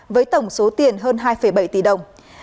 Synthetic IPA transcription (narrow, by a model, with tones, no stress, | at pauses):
vəː˨˦jt̪ə˧˩wŋ͡mso˨˦t̪i˨˩ənɦəː˧nɦaː˧jfə˧˩jɓa˧˩jt̪i˧˩ɗə˨˩wŋ͡m